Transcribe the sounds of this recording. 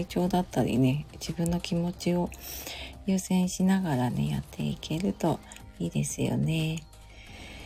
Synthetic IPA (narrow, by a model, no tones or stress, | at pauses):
it͡ɕo̞ːd̪at̪ːaɾʲḭne̞d͡ʑibɯ̟̃nːo̞kʲimo̞t͡ɕio̞ | jɯ̟ːsẽ̞ɰ̃ɕinaɡaɾane̞̰ja̰t̪ʰːe̞̰ikʰe̞ɾɯ̟t̪o̞ | iːd̪e̞̰sɨjo̞̰ne̞